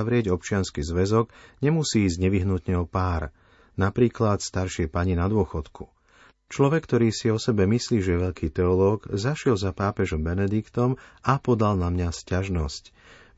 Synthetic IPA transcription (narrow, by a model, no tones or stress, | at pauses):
aʋɾɪɛɟɔp̚t͡ʃɪanskizʋɛzɔɡɲɛmusiːiːzɟɲɛʋiɦnut̪ɲɛɔpaːɾ | napɾiːklat̪st̪aɾʃɪɛpaɲinad̪ʊɔxɔt̪kʰu | t͡ʃlɔʋɛkːt̪ɔɾiːsiɔsɛbɛmisliːʒɛɛʋɛʎkʰiːt̪ɛɔlɔːɡzaʃɪɛlzapaːpɛʒɔmbɛnɛd̪ikt̪ɔmapɔd̪alnamɲascaʒnɔsc